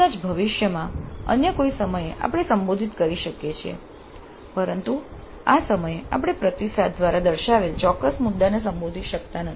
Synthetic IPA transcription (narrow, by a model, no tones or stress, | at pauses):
ad͡ʒbʱəʋɪʃjəmãə̰njəkoisəməjeʔa̰pɽ̃esəmbod̪ʱit̪kəɾiʃəkjet͡ʃʰiḛ | pəɾənt̪u | asəməjea̰pɽ̃epɾət̪isad̪̚ːʋaɾad̪əɾʃaʋelt͡ʃɔkːəsmud̪ːanes̬əmbod̪ʱiʃək̚t̪anəi